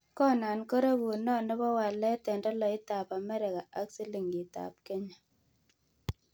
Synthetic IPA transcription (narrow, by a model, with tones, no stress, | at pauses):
kɔ˦na˨nko˦ɾe˦ku˨nɔ˦˨nɔ˦bɔ˦wa˨lɛ˦tɛ˨ndɔ˦lɔ˨i˦ta˨pa˨mɛ˦ɾe˨ɣa˨ʔa˦ksi˦li˨ŋi˨ta̰˨p̚ke˦ɲa˨